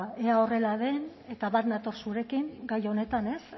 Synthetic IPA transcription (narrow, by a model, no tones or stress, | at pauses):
e̞ao̞re̞laðe̞n | e̞t̪aβaɾnat̪o̞ɾsuɾe̞kiŋɡajo̞ne̞t̪ane̞s